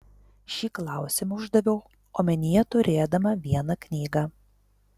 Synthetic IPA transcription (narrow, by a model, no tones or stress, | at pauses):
ʃʲiːklˠɑˑʊsʲɪmɐʊʒd̪ɐʋʲɛʊ | oːmʲɛnʲijɛt̪ʊɾʲeːd̪ɐmɐʋʲiɛnɐknʲiːɡɑ